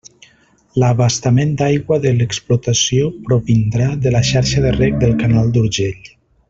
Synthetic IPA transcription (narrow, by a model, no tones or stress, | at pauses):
ləβast̪amend̪ajɣwəðələksplut̪asiopɾoβind̪ɾaðəlaʃaɾʃaðərɛk̚d̪əlˠkanalˠd̪uɾʒeʎ